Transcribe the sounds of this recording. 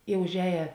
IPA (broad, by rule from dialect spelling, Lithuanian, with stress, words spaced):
ɪ ʊʒʲˈɛːjɛ